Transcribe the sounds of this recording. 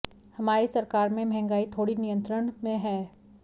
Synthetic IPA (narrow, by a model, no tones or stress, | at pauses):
hɐmaːɾisɐɾkaːɾmẽmɛɦɛ̃ŋɡaːit̪ʰoːɽinijə̃nt̪ɾəɳmẽɦɛː